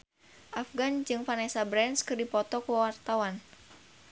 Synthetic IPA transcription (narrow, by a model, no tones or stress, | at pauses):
ʔafɡand͡ʒɨŋfanɛsabɾɛnskɨrdipɔt̪ɔkuwart̪awan